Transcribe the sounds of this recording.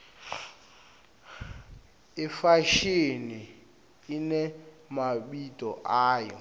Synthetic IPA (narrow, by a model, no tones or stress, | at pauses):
ɪfaʃeni | inɛ | maɓitʼɔʔaːjɔ̰